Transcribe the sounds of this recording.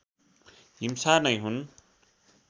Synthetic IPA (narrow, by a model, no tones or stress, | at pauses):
ɦimsanʌjɦun